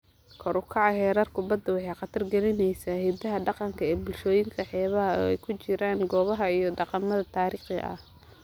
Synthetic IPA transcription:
kʰɔɾʊkʰɑʕɑɦɛːɾɐrkʰʊbɐd̪ːɐwɑħɑjqɑt̪ʰɐrɡɛlɪnɛjsaːhɛːd̪ɐɦɐɖɑqɑŋkʰɐɛːbʊlʃɔːjɪŋkʰɐħɛːβɐɦɐɔ̰ɛjkʰʊt͡ʃɪɾaːŋɡɔːβɐɦɐijɞɖɑqɑmɐðɐt̪ʰaːɾiːχɪ̰ʔɐ̰h

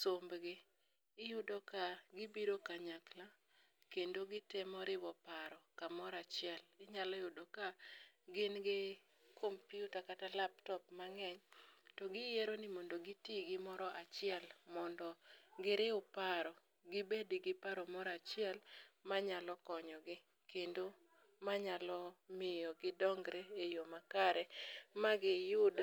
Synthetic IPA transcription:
sombɡɪ | ɪjʊdɔkaɡɪbiɾokaɲakla | kendoɡɪtemɔɾɪwɔpaɾɔkamɔɾat͡ʃɪɛlɪɲalɔɪjʊdokaɡɪnɡɪ | kʰompjutakatalaptɔpmaŋɛɲtɔɡɪjeɾonɪmɔndoɡɪtiɡɪmɔɾɔʔat͡ʃɪɛlmɔndɔɡɪɾɪʊpaɾɔ | ɡɪbedɪɡɪpaɾɔmɔɾat͡ʃɪɛlmaɲalɔkɔɲɔɡɪ | kendo | maɲalɔmɪjɔɡɪdɔŋɡɾeejomakaɾɛmaɡɪjʊd

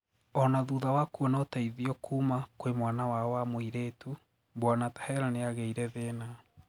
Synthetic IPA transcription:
ɔnaðuðawakuɔnaotaiðiɔkʰuːmakwemwaːnawawamoiɾetu | bwanatḁhɛɾaneaɣeiɾɛðeːna

